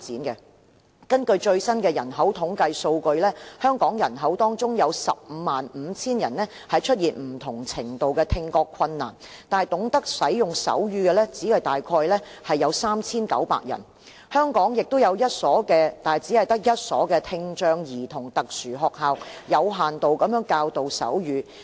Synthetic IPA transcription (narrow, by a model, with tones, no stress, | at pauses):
t͡siː˨˥nkɛ˧ | kɐ˥nkɵ˧ɥt͡ʃɵ˧ɥsɐ˥nkɛː˧jɐ˨˩nɦɐ˨˥wt̪ʰʊ˨˥ŋkɐ˧jso˧wkɵ˧ɥlɛː˥hœː˥ŋkɔː˨˥ŋjɐ˨˩nɦɐ˨˥wt̪ɔː˥ŋt͡sʊ˥ŋjɐ˨˧wsɐ̰˨p̚m̩ː˨˧maː˨nm̩ː˨˧t͡sʰiː˥njɐ˨˩nlɛː˥ | hɐ˨jt͡ʃʰɵ˥t̚jiː˨nm̩˨˩t̪ʰʊ˨˩ŋt͡sʰɪ˨˩ŋt̪o˨wkɛː˧t̪ʰɪ˧ŋkɔː˧kʰːɐ˧nːa̰ː˨˩nt̪aː˨jt̪ʊ˨˥ŋt̪ɐ˥k̚sɐ˨˥jjʊ˨˩ŋsɐ̰˨˥wjyː˥˧ɡɛ˧lɛː˥t͡siː˨˥hɐ˨jt̪aː˨jkʰɔː˧jlɛ˥ | hɐ˨jːɐ˨˧wsaː˥mt͡sʰiː˥nkɐ̰˨˥wpa̰ː˧˨k̚jɐ̰˨˩n | hœː˥ŋkɔː˨˥ŋjɪ˨k̚t̪ʊ˥wjɐ˨˧wjɐ˥t̚sɔː˨˥kɛː˧t̪aː˨˩jt͡siː˨˥hɐ˨jt̪ɐ˥k̚jɐ˥t̚sɔː˨˥kɛː˧t̪ʰɪ˧ŋt͡ʃœː˧ŋjiː˨˩t̪ʰʊ˨˩ŋt̪ɐ˨k̚syː˨˩ɦɔː˧k̚ɦaː˨wjɐ˨˧wɦaː˨nt̪o˨wkɐ˨˥mjœː˨˥ŋkaː˧wt̪o˨wsɐ̰˨˥wjyː˨˧